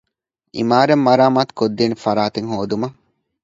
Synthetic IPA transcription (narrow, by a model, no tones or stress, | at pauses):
ʔḭmaːɾemːɐɾaːmaːt̪u̥kod̪ːiːnifɐɾaːt̪eŋɦoːd̪umɐ